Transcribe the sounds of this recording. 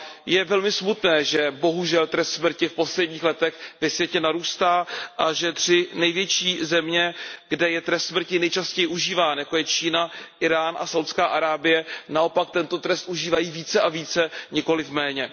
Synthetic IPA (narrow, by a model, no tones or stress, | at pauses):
jɛvɛlmɪsmut̪nɛːʒɛbo̞ɦuʒɛlt̪ɾɛst̪smr̩cɪfpo̞slɛdɟɲiːxlɛt̪ɛxvɛsvjɛcɛnaɾuːst̪aːʔaʒɛt̪r̝̥ɪnɛjvjɛt͡ʃiːzɛmɲɛɡ̥dɛjɛt̪ɾɛst̪smr̩cɪnɛjt͡ʃascɛjɪʔuʒiːvaːnjako̞jɛt͡ʃiːnaʔɪɾaːnʔa̰sawt̪skaːʔaɾaːbɪjɛnao̞pak̚t̪ɛnt̪o̞t̪ɾɛst̪ʔuʒiːvajiːviːt͡sɛʔaviːt͡sɛɲɪko̞lɪfmɛːɲɛ